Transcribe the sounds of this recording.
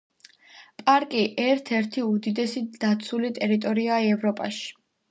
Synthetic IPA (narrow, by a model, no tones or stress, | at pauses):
pʼaɾkʼiʔɛɾt̪ʰɛɾt̪ʰiud̪id̪ɛsid̪̥at̪sʰulit̪ʼɛɾit̪ʼɔɾiaɛvɾɔpʼa̰ʃi̥